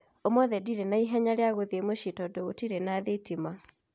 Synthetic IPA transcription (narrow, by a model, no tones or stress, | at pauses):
omɔðɛdiɾenaiɦɛɲaɾeaɣoðemoʃitɔdoɣotiɾenaðetima